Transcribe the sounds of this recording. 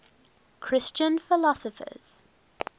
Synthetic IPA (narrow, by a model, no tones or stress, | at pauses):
kʰɹ̥ɪst͡ʃə̃nfɪlɒsəfə̰z̥